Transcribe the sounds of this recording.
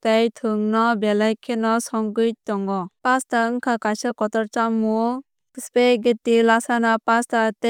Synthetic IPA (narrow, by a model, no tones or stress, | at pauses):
tajtʰɯŋnɔbelajkʰenɔsɔŋɡɯjtɔŋɔpastaɯŋkʰakajsɔkɔtɔɾt͡ʃamːu | speɡetːilasanapastate